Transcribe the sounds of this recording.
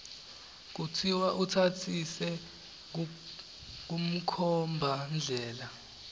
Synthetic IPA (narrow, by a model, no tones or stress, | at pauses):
k̬utʰiwaʔutʰatʰisɛ | k̬um̩kʰɔmbʱand͡ɮʱɛːla